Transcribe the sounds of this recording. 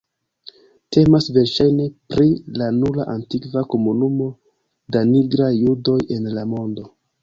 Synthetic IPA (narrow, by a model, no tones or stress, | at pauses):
te̞masve̞ɾʃajne̞pɾʔilanulaʔantikvako̞munumo̞ | daniɡɾajːudo̞je̞nlamo̞ndo̞